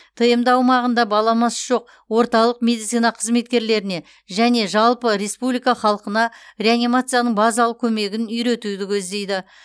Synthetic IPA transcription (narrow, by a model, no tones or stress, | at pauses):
t̪ʰəjəmd̪ɑwmɑʁənd̪ɑbɑlˠɑmɑsʒ̥o̞q̚ | wo̞ɾt̪ɑlˠəqme̞d̪it̪sijnɑqʰəzme̞t̪̚kʲe̞ɾle̞ɾɪne̞ | ʒæne̞ʒɑlˠpəɾe̞spublijkɑχɑlˠəqənɑɾʲe̞anʲimat̪sɨjanəɴbɑzɑlˠəkʲʰɵme̞ɡʲɪnʏjɾe̞t̪ud̪ɪkʲʰɵzd̪e̞jd̪ɪ